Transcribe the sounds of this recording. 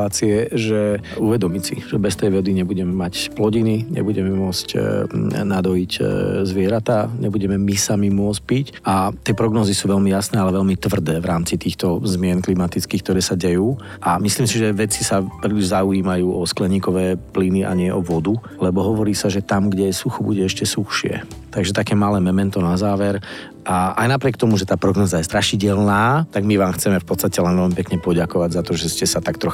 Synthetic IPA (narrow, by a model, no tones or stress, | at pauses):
aːt͡siɛʒɛuʋɛd̪ɔmisḭʒɛbɛst̪ɛjʋɔd̪iɲɛbuɟɛmɛmacplɔɟiniɲɛ̰buɟɛmɛmʊɔt͡sc | nad̪ɔiczʋɪɛɾat̪aɲɛbuɟɛmɛmisamimʊɔt͡sc̚pic | ʔat̪ɪɛpɾɔɡnɔːzisuːʋɛlmijasnɛːalɛʋɛlmit̪ʋr̩d̪ɛːʋɾaːmt͡sit̪iːxt̪ɔzmɪɛnklimat̪it͡skiːkt̪ɔɾɛːsaɟɛjuː | ʔamisliːmsiʒɛʋɛt͡sisapɾiliʒɛzauiːmajuːʔɔsklɛɲiːkɔʋɛːpliniʔa̰ɲɪɛʔɔʋɔd̪u | lɛbɔɦɔʋɔɾiːsaʒɛt̪amɡɟɛjɛsuxɔbuɟɛɛʃcɛsuxʃɪɛ̰t̪aɡʒɛt̪akɛːmalɛːmɛmɛnt̪ɔnazaːʋɛɾ | ʔaʔa̰jnapɾɪɛkt̪ɔmuʒɛt̪aːpɾɔɡnɔːzajɛst̪ɾaʃiɟɛlnaːt̪aɡmiʋaːmxt͡sɛmɛfpɔt͡st̪acɛlɛnʋɛlmipɛkɲɛpɔɟakɔʋaɟzat̪ɔʒɛscɛsat̪akt̪ɾɔx